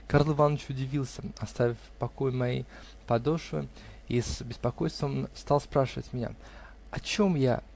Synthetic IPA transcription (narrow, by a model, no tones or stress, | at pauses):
karlˠɨvanːət͡ɕʊdʲɪvʲilˠsʲəɐst̪avʲɪfpɐko̞jɪmɐjḛj | pɐd̪o̞ʂvɨ̰ | isbʲɪspɐko̞jst̪vəmst̪ɑlˠspɾaʂɨvətʲmʲɪnʲa̰ | ɐt͡ɕo̞mja̰